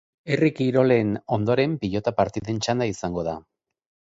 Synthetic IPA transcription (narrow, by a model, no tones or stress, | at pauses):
erikiɾo̞le̞no̞nd̪o̞ɾe̞mpiʎo̞t̪apaɾt̪iðe̞nt͡ʃand̪aisaŋɡo̞ð̞a